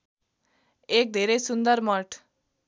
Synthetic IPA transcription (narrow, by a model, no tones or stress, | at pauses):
ek̚d̪ʱeɾejsund̪ʌɾmʌʈ